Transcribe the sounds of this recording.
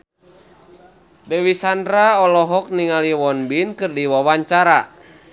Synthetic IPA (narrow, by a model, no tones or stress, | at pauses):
dɛwisandɾaɔlɔɦɔk̚niŋaliwɔnbinkɨrdiwawaɲt͡ʃaɾa